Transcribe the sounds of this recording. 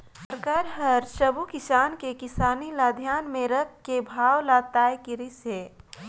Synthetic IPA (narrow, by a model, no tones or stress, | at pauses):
səɾkaːɾɦəɾʃəbukɪsaːnkekɪsaːnilaːd̪ʱjaːnmẽɾək̚ʰkːebʱaːwlaːt̪aːjkiɾiseː